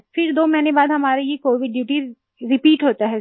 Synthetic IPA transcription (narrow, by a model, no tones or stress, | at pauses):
fɪɾd̪oːmɛɦnebaːd̪ɦɐmaːɾejekoːʋɪɖɖjuːʈi | ɾɪpiːʈɦoːt̪aɦɛ